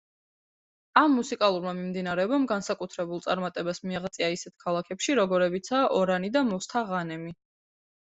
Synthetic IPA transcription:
amːusikʼalˠuɾmamimd̪inaɾɛɔbamɡansakʼut̪ʰɾɛbulˠt̪sʼaɾmat̪ʼɛbasmiaʁt̪sʼiaisɛt̪̚ʰkʰalˠakʰɛpʃiɾɔɡɔɾɛbit̪sʰaːʔɔɾanid̪amɔst̪ʰaʁanɛmi

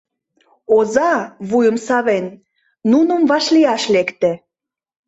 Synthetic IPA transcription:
ozɑβujəmsɑβenː | unə̆mβɑʃliɑʃlekt̪ĕ

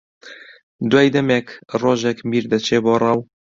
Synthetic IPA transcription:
d̪waːjd̪ɛmekroːʒɛkmiːɾd̪ɐt͡ʃʰeːboːrˤɑw

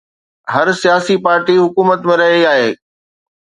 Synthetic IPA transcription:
ɦɐɾsijaːsipaːɾʈiɦʊkuːmət̪mẽɾɐɦiaːɦeː

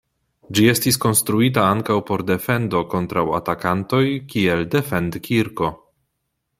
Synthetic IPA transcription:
d͡ʒie̞stisko̞nstɾuit̬aaŋkawpo̞ɾde̞fe̞ndo̞ko̞ntɾawa̰takanto̞jkielde̞fe̞ndkʰiɾko̞

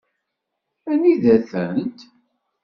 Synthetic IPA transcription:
æniðæθənt̪

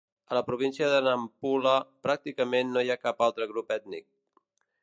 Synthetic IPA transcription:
ələpɾuβ̞insiəðənəmpuləpɾak̚t̪ikəmenːojakapalˠt̪ɾəɣɾupɛt̪nḭk̚

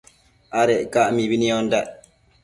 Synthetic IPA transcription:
ʔaɾɛkaʔmiwiniɔnda

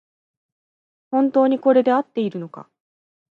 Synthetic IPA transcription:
hõ̞nt̪o̞ːɲ̟iko̞ɾe̞d̪e̞at̪ːe̞iɾɯ̟no̞ka̰

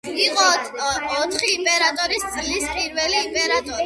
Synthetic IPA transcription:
iqʼɔː | t̪ʰχiːmpʼɛɾat̪ʼɔɾist̪sʼlispʼiɾvɛliːmpʼɛɾat̪ʼɔɾi

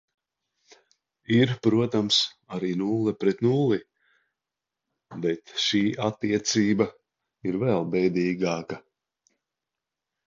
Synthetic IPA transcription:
iɾpɾuɔt̪amsaɾiːnuːlˠɛpɾɛt̪nuːlˠi | bɛt̪ʃiːʔat̪ːiɛt̪siːba | iɾvɛlˠbɛjd̪iːɡaːka

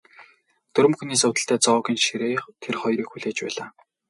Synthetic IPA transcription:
t̪ɵɾɘ̆mxuniːsʊt̪ə̆ɬt̪ʰæːt͡sɔɣʲiːnʃiɾeːχt̪ʰerχɔjɾiːxuɮeːt͡ɕpæ̰ːɮaː

